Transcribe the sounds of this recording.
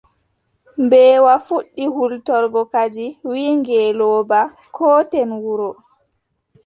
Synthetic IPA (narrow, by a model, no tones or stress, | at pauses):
mbɛːwafuɗːihultɔɾɡɔkad͡ʒiwiːŋɡɛːlɔːba | kʰɔːtɛnwuɾɔ